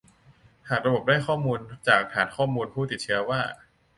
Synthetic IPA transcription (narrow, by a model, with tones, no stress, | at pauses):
haː˨˩k̚ɾa˧bo˨˩p̚daː˥˩jkʰɔː˥˩muː˧nt͡ɕaː˨˩kpʰaː˨˩nkʰɔː˥˩muː˧npʰuː˥˩t̪i˨˩t͡ɕʰɯ˦˥ɐwaː˥˩